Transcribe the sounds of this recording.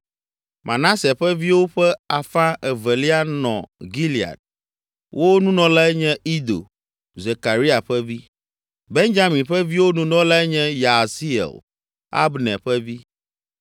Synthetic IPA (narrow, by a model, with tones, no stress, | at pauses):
mʔã̰˨nã˦se˨ɸɛ˦vi˦wo˦ɸɛ˦a˨fã˦ʔɛ˨vɛ˨li˦a˦nɔ̰̃˨ɡi˦li˨a̰˨d̚ | wʔo˦nũ˦nɔ̃˦la˦ɲɛ̃˦i˦d̪o̰˨ | ze˨ka˨ɾi˦a˨ɸɛ˦vi˦ | be˦ŋd͡ʒa˦mĩ˨ɸɛ˦vi˦wo˦nũ˦nɔ̃˦la˦ɲɛ̃˦ja˨si˦ɛ̰˨l | a̰˦bnɛ̰̃˨ɸɛ˦vi˦